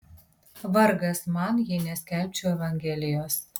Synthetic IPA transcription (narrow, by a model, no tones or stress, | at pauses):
ʋɐɾɡɐsmɑˑnjɪnʲɛsʲkʲɛˑlʲˑpʲt͡ʃʲuːɛʋɐŋʲɡʲɛlʲɪjoːs